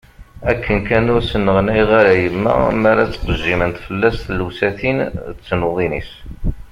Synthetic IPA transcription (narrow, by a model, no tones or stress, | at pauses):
ækʰːənkænʊɾsənːəʁnæjʁaɾæjəmːæ̰mæɾæt͡sːqəʒːimənt̪fəlːæsθlusæθint͡sːnoðˤinḭs